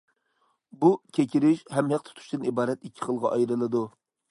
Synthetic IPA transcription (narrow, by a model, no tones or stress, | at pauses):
bukʲʰekʲʰiɾɪʃhɛmɦɛq̚t̪ʰʊ̥t̪ʰu̥ʃt̪ɨnibɑːɾɛt̪ikʲʰːi̥χəlˠʁɑʔɑjɾɨlˠɨd̪u